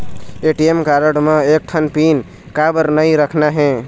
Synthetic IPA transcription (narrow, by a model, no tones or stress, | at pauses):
eʈiemkaɾəɽmẽek̚ʈʰənpin | kabəɾnəiɾəkʰnaɦɛ̃